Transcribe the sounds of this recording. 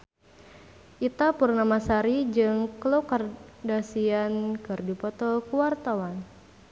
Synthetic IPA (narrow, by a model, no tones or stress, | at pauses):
ʔit̪apurnamasaɾid͡ʒɨŋklokardasiankɨrdipɔt̪ɔkuwart̪awan